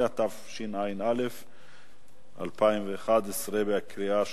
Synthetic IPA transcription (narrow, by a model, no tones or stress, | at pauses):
at̪afʃinajnalef | ʔa̰lpʰaimveːχad̪esʁebeakɾia